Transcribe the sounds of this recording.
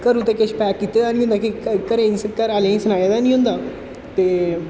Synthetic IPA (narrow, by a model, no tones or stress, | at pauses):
kəɾũt̪eːkɪʃpɛːkːiːt̪eːd̪aːnĩːɦʊ̃nd̪aːkikəɾẽːĩskəɾaːlẽːĩːsənaːjeːd̪aːnĩːɦʊ̃nd̪aː | t̪eː